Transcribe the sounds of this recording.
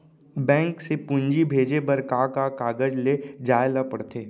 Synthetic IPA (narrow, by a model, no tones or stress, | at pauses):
bɛ̃ːŋksepʊ̃ɲd͡ʒibʱeːd͡ʒebəɾkakakaːɡəd͡ʒled͡ʒaːelapəɽt̪ʰeː